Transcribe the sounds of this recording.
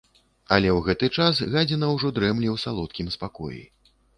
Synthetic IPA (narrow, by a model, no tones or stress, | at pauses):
ɐlʲɛwɣɛt̪ɨt͡ʂasɣad͡zʲɛnɐwʐɔd̪ɾɛmlʲiwsalˠɔt̪̚kʲimspakɔ̰jḭ